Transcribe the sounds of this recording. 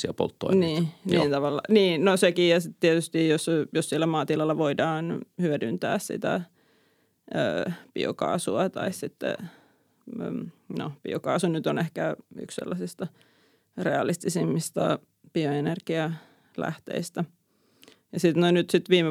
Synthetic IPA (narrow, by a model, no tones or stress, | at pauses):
siæpo̰lt̪ːo̰iniːniːnt̪ɑʋɑlːɑ̰niːnnosekijjɑsit̪t̪iet̪yst̪iːjosjossielːæmɑːt̪ilɑlːɑʋoidɑːnhyødynt̪æ̰ːssḭt̪æ̰ | ø̰ːpḭo̰kɑ̰ːsuɑt̪ɑ̰issit̪ːḛ | no̰pḭokɑ̰ːsunyt̪onehkæy̰ksḛlːɑsist̪ɑ | reɑlist̪isimːist̪ɑ̰ | pioenerɡ̥iɑ | læ̰ht̪ḛist̪æ | jɑsit̪noinyt̪sit̪ʋiːme